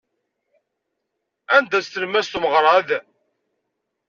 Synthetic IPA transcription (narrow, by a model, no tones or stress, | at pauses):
ænd̪æst̪əlmæst̪uməʁɾˤɑð